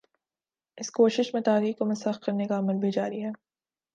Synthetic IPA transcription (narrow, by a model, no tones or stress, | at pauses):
ɪskoːʃɪʃmẽt̪aːɾiːkkomɐsɐxkɐɾnekaɐməlbʱid͡ʒaːɾiɦɛː